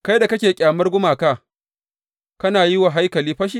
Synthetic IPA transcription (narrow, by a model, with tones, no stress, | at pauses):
ka˦jda˨kɐ˦kʲeː˨kʲʼaː˨mɐ˦rɡʷʊ˦maː˨kaː˦ | kɐ˦naː˨jɪ˦wa˨ɦa˦jkɐ˨liː˦ɸɐ˦ʃ̬i˦